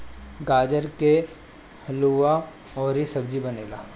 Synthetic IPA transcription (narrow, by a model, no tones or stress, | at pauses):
ɡaːd͡ʒəɾke | luʋa | ɔːɾisɐb̚d͡ʒibɐneːlaː